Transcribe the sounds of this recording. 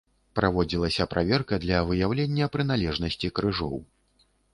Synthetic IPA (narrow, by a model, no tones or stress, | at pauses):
pɾʔavɔd͡zʲilˠɐsʲɐpɾʔavʲɛrkɐd̪lʲɐvɨjawlʲenʲːɐpɾɨnalʲɛʐnɐsʲt͡sʲikɾɨʐɔ̰w